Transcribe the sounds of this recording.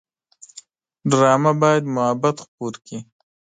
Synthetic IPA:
ɖɾɑːmabɑjad̪mʊhabat̪xpoɾki

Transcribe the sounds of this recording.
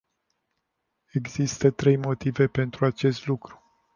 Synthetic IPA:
e̞ɡzist̪ət̪ɾe̞jmo̞t̪ive̞pe̞nt̪ɾuat͡ʃe̞st̪lukɾu̥

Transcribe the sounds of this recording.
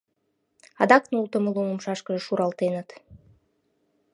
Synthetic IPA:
ɑ̰d̪ɑknulˠt̪ə̆məlˠumomʃɑʃkə̆ʒəʃuɾʔɑlˠt̪enət̪

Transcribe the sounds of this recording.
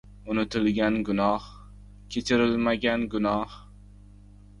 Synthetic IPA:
ʊnɪt̪ʰɪlɡʲanɡʊnɒh | kʲʰet͡ʃʰɪɾɪlmaɡʲanɡʊnɒh

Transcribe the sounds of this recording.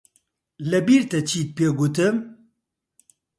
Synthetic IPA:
lɐbiɾt̪ɐt͡ɕʰiːt̪̚peɡut̪əm

